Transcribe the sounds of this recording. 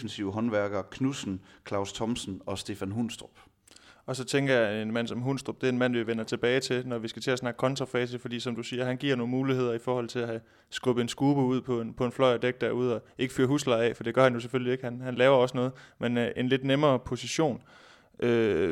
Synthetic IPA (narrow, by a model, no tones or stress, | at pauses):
fn̩siʊɦɒ̽nʋæɐɡ̥ɐkʰnusn̩kʰlɑ̈ʊst͡sʰɒ̽msn̩ɒ̽sd̥e̝fænɦunsd̥ʁɔb̥ | ɒ̽sɒ̽t͡sʰeŋɡ̥ɐjɑ̈e̝nmæn̰sɒ̽mɦunsd̥ʁɔ̽b̥̚d̥e̝ɐe̝nmæn̰ʋiʋenɐt͡sʰe̝b̥ɛːɪt͡sʰe̝lnɒʋisɡ̥æt͡sʰe̝æsnɑ̈ɡ̥ə̥kʰɒ̽nt͡sʰʁɑ̈fɛːs̬əfɒ̽d̥ḭːsɒ̽md̥usiːɐɦænɡ̥iɐ̰no̝ːn̩muːliɦe̝ð̰ˠɐifɒːhɒ̽l̰t͡sʰe̝læhæ | sɡ̥ɔ̽b̥̩ensɡ̥uːb̥əuð̞̰ˠpʰɒ̽enpʰɒ̽e̝nflɒ̽ɪ̰ɐd̥eɡ̥̚d̥æɐuð̞ˠɒ̽e̝ɡ̥ə̥fyːɐɦuslɑ̈ɛ̰fɒ̽d̥e̝ɡ̥ɶɐhænjo̝s̬efølie̝ɡ̥hænhænlɛːʊɐɒ̽sənɔ̽ːð̞̩ˠmenʔe̝nle̝d̥nemɐːpʰo̝siɕo̝̰ːn | ʔø